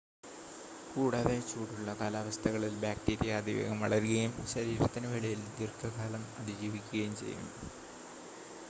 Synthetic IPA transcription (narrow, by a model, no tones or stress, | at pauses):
kuːɽaːðet͡ɕːuːɽuɭːɐkaːlaːʋɐst̪ʰɐɣɐɭilbaːk̚ʈiːɾijɐːd̪iʋḛːɣɐmɐɭɐɾɣɐjumɕɐɾiːɾɐt̪ːinɨʋeɭijild̪irkʰɐkaːlɐmɐd̪id͡ʑiːʋikʲːuɣɐjumt͡ɕḛjːṵm